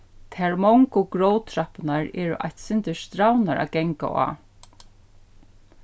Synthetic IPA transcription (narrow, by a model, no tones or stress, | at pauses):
t̪ʰɛɹmɔŋkʊɡɾowt̪ʰɾapnaɹɛːɾʊʔa̰jht̪sɪnt̪ɪst̪ɾawnaɾa̰kɛŋka̰a̰ː